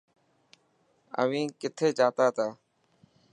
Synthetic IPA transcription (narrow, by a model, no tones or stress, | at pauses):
ə̰ʋĩːkɪt̪ʰeːt͡ʃaːt̪aːt̪ʰaː